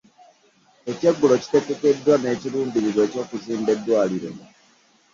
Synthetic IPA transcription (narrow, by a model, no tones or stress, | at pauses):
eceɡːulo̞ci̥tekekedːwane̞ːciɾuːndiβiβwe̞ːco̞ːkuziːmbe̞dːwaːliɾḛ